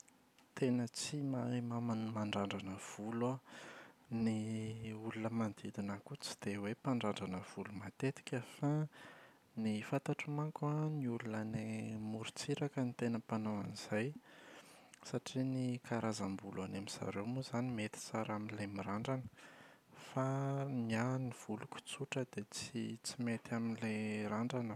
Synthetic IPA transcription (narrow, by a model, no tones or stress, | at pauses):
t̪enət͡simamamanmaɳɖ͡ʐaɳɖ͡ʐanəv̥ula | niulunəmand̪id̪inakut͡si̥d̪̥ewepaɳɖ͡ʐaɳɖ͡ʐanəv̥ulumat̪et̪i̥kʲəfa | nifat̪aʈ͡ʂumakuaniulunənemuɾit͡siɾakənit̪enəpanowaniz̥aj | saʈ͡ʂinikʰaɾazambulanamiz̥a̰ɾewmuzanimet̪i̥t͡saɾaminilemiɾaɳɖ͡ʐanə̥ | famianiv̥ulukʲu̥t͡suʈ͡ʂəd̪et͡sit͡simet̪aminleɾaɳɖ͡ʐanə